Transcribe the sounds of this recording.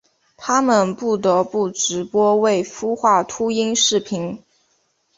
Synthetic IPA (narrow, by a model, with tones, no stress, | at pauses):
t̪ʰa˥mə˨npu˥˩t̪ɤ˧˥pu˥˩ʈ͡ʂɻ̩˧˥pwɔ˥we˥˩ɪfu˥xwa˥˩t̪ʰu˥i˥ŋʂɻ̩˥˩pʰi˧˥ŋ